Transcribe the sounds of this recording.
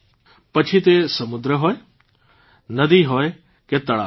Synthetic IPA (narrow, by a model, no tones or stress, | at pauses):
pɐt͡ʃʰit̪esɐmʊd̪ɾəɦoːe | nɐd̪iɦoːe | ket̪ɐɭa̰